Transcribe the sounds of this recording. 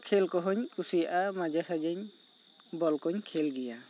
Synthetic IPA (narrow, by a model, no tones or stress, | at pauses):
kʰɛlkɔɦɔɲkusijaʔamad͡ʒasad͡ʒaɲ | bɔlkɔɲkʰɛlɡɛja